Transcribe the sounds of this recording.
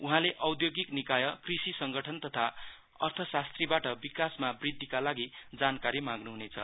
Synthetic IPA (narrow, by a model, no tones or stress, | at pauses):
uɦãleʔʌwd̪joɡiknikajʌkrisisʌŋɡʌʈʰʌnt̪ʌt̪ʰa | ʌ̰rt̪ʰʌsast̪ribaʈʌbikasmabrid̪ʱːikalaɡid͡zankaɾimãɡnuɦunet͡sʰʌ̰